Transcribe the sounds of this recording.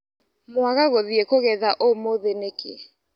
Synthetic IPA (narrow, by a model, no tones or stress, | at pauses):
mwaɣaɣoðiekoɣɛðaʔomoðenekɪ̰ɛ